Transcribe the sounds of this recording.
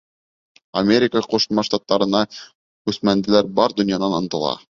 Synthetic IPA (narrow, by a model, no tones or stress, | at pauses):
ɐmʲeɾʲɪkəqŏʃmɑʃt̪ɑt̪ːɑɾɤ̆nɑ | kʉsmænd̪ɘ̆læɾbɑɾd̪ɵ̆njɑnɑnɤ̆nt̪ɤ̆lˠɑ̰